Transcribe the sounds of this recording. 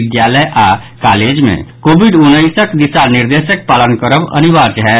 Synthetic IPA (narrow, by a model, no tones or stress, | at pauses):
ɪd̪jaːləjʔaːkaːleːd͡ʒmḛ̃koːbiɖʊnːəɪsəkd̪ɪsanɪɾd̪eːʃək̚paːlənkəɾəʋɐ̰niʋaːt͡ʃɦɛː